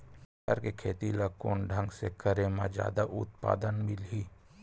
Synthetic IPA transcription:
ə̰ɾkekʰeːt̪ilakoːnɖʱə̃ŋɡsekəɾemãd͡ʒja̰ːd̪aʔʊ̰t̪̚pa̰ːd̪ənmɪlɦiː

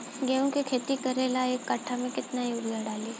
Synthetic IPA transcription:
ɡɛːũkikʰeːt̪ikɐɾeːlaeːkːɐʈʰamẽkɪt̪naioːɾɡaɖaːli

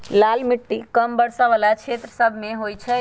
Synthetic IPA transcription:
lalmiʈːikəmbəɽsaʋalat͡ʃʰet̪ɾəsəbʱmeɦojt͡ʃʰɛ

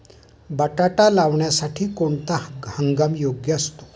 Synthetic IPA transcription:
bəʈaʈalaʋɳjasaʈʰiːkoɳt̪ahəŋɡamjoɡjəast̪o̥

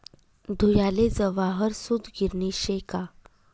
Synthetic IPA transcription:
d̪ʱujaled͡zəʋaɦəɾsud̪ʱɡiɾniɕeka

